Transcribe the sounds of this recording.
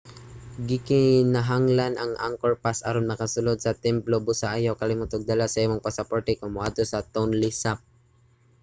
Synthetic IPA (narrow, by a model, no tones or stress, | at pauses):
ɡɪkɪnaɦaŋlanʔɐŋʔa̰ŋkoɹpasa̰ɾonnɐkasʊlod̪̚sɐt̪ɛmplobʊsaʔajawkɐlɪmʊt̪ʊɡ̚d̪alasɐʔimoŋpasɐpoɹt̪ɛkomʊʔad̪osɐt̪onlɪsap̚